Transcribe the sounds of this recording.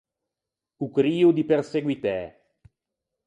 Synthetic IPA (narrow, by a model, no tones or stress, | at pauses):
ukɾiːud̪iperseɡwit̪ɛː